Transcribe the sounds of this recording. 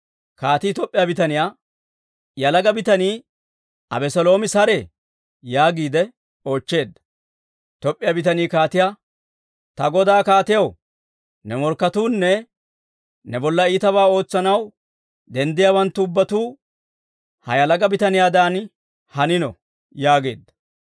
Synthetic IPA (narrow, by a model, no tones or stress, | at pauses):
kaːt̪iːt̪ɔpʼːɪjaːbɪt̪ɐnɪjaː | jɐlɐɡɐbɪt̪ɐniː | ɐ̰bɛsɔlo̞ːmɪsɐɾe | jaːɡiːd̪ɛ | o̞ːt͡ʃːe̞ːd̪ːɐ̥ | t̪ɔpʼːɪjabɪt̪ɐniːkaːt̪ɪjaː | t̪ɐɡɔd̪aːkaːt̪ɪjɐw | nɛmɔɾkːɐt̪uːnːɛ | nɛbɔlːɐiːt̪ɐβaːo̞ːt͡sːɐnɐw | d̪ɛnd̪ɪjawɐnt̪ːʊʊbːɐt̪uː | hɐ̰jɐlɐɡɐbɪt̪ɐnɪjaːd̪aːn | hɐnɪnɔ̰ | jaːɡeːd̪ːɐ̥